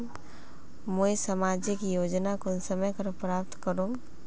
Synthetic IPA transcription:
moisəmaːd͡ʒikijoːd͡ʒnakʊnsəməjkəɾpɾaːp̚t̪kəɾũɡ

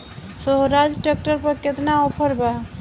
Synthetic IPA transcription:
soɦɾad͡ʒʈak̚ʈəɾpəɾket̪naɔpʰəɾba

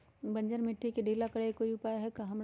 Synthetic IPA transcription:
bɐ̃ɲd͡ʒəɾmɪʈʰːikeɖʱeːlakɐɽekoːiʊpaːjaɦɛkɐɦɐmɾ

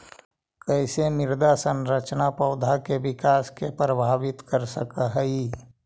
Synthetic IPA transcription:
kəɪsemɪɾd̪asə̃nɾət͡ʃnapəʊd̪ʱakeʋɪkaːskepɾəbʱaːʋɪt̪kəɾsəkaɦəi

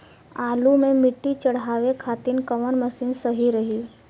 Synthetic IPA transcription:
aːlumẽmɪʈːit͡ʃəɽ̤aːʋekʰaːt̪inkəʋənməsinsəɦiɾəɦiː

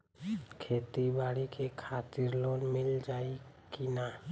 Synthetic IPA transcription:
kʰet̪ibaɽikekʰat̪iɾlɔnmild͡ʒaikina

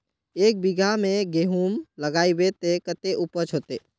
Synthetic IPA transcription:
eːk̚biɡʱamẽɡeɦuːmləɡaːibet̪ekət̪eʔupət͡ʃʰoːt̪eː

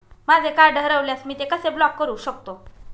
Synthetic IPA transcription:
mad͡zʱekaɾɖʱəɾəʋljasmiːt̪ekəseblɔkːəɾuːɕək̚t̪o

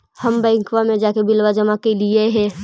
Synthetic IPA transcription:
hɐmbə̃ɪŋkʋamẽd͡ʒaːkebɪlwad͡ʒəmakelieɦɛ̃ː

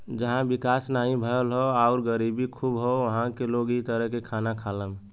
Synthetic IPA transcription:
d͡ʒəɦãbikasnaɦĩbʱəəlɦoaʊɾɡəɾibikʰubɦoʋəɦãkeloɡit̪əɾəɦkekʰanakʰaləm

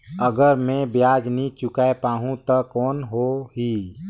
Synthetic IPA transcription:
əɡəɾmẽbjaːd͡ʒnit͡ʃʊkaepaːɦũt̪ɔkɔːnɦoɦiː

